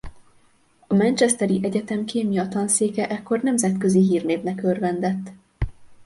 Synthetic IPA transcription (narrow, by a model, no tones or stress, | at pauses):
ɒmɛnt͡ʃɛst̪ɛɾiʔɛɟɛt̪ɛmkʰeːmjɒt̪ɒnseːkɛʔɛkːo̞rnɛmzɛt̪kø̞ziɦiːrneːvnɛkørvɛnd̪ɛt̪ː